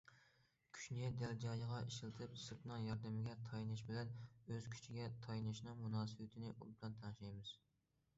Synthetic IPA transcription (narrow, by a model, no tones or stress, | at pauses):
kʲʰy̥ʃnɪd̪ɛld͡ʒɑːjəʁɑiʃilˠɨt̪ʰɨpsɨɾt̪nɨŋjɑɾd̪ɨmɪɡʲɛt̪ʰɑjnɨʃ̬bɪlɛnøz̥kʲʰy̥t͡ʃʰiɡʲɛt̪ʰɑjnɨʃnɨŋmunɑːsɨwɪt̪ʰɪnɪʔṵlˠb̪ɑnt̪ʰɑnʃɑjmɪz̥